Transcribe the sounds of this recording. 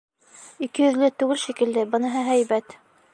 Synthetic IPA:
ikɘ̆jɵ̆ðlɘt̪ʉɡɘlʃikɘ̆ld̪ɘbɤ̆nɤɦɤɦæjβæt̪

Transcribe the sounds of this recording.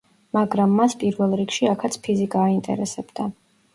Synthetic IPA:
maɡɾamːaspʼiɾvɛlˠɾikʃiakʰat̪sʰpʰizikʼaːint̪ʼɛ̰ɾɛsɛbd̪a

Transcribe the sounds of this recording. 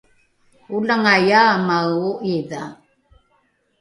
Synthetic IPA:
ulaŋajaːmawoʔiða

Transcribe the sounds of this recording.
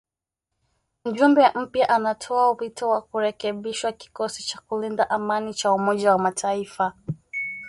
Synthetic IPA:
m̩d͡ʒumbɛʔm̩pjaʔanatʰɔaupitʰɔwakuɾɛkɛɓiʃwaki̥kɔsit͡ʃakulindaʔamanit͡ʃaumɔʄawamatʰaifa

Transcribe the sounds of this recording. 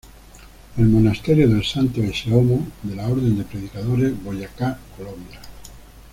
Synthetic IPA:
elmonast̪eɾjoðelsant̪oeseomod̪elaoɾðend̪epɾeð̞ikaðoɾezβojakakolõmbja

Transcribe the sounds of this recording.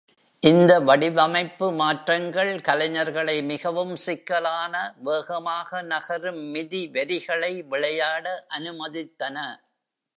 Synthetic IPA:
ʔɪnd̪ɐʋɐɽɪʋɐmɐɪpːɯmaːʈrɐŋɡɐɭkɐlɐɲɐɾɣɐɭɐɪmɪɣɐʋɯmsɪkːɐɭaːnɐʋeːɣɐmaːɣɐnɐɣɐɾɯmːɪðiʋɐɾɪɣɐɭɐɪʋɪɭɐjaːɽɐʔɐnɯmɐðɪt̪ːɐnɐ

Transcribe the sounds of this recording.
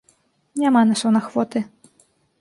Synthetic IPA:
nʲamanaʂɐwnaxvɔt̪ɨ

